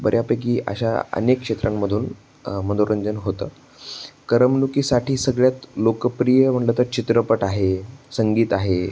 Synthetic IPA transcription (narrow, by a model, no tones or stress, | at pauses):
bəɾʔjapək̬iːʔə̰ɕa̰ə̰nekʂet̪ɾʔamːəd̪ʱuːn | mənd̪oɾəɲd͡ʑənɦot̪ə̰ː | kəɾəmnukiːsaʈʰiːsəɡɭjat̪lokəpɾijəm̤əɳʈlət̪əɾt͡ɕit̪ɾəpəʈaɦesəŋɡiːt̪aɦe